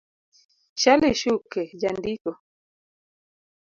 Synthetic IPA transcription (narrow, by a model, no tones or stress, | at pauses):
ʃaliʃukɛd͡ʒandikɔ